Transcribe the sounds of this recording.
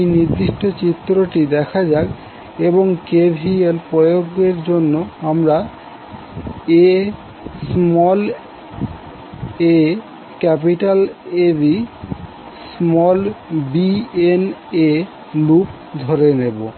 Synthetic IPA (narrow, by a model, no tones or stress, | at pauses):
jniɾd̪iʃʈot͡ɕit̪ːɾoʈid̪ɛkʰad͡ʑaɡ | eboŋkebʱielpɾɔjoɡeɾd͡ʑonːoamɾa | e | smɔl | e | kɛpiʈalebi | smɔlbiene | lup | d̪ʱoɾenebo